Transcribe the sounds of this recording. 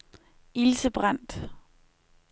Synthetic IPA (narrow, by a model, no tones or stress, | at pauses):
ilsəb̥ʁan̰d̥